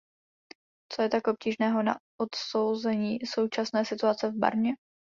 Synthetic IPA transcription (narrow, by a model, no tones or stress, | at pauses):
t͡sojɛt̪akʔo̞p̚ciːʒnɛːɦo̞na̰ʔot̪sowzɛɲiːso̞wt͡ʃasnɛːsɪt̪uat͡sɛvba̰ɾɲɛ